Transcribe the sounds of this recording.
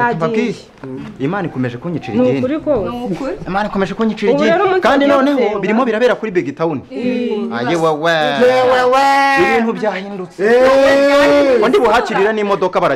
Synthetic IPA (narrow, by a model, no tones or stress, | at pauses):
paki | imaːniko̞meʒekuɲit͡ʃiɾiinɾikoimaːniko̞meʒekuɲit͡ʃiɾiinkaːndinoːnehoβiɾimoβiɾaβeːɾakuɾibeɡitauniajeweweeweweiβiːnhuβjaːhiːndut͡se̥ | ondiβuhaciɾiɾanimo̞do̞kaβaɾa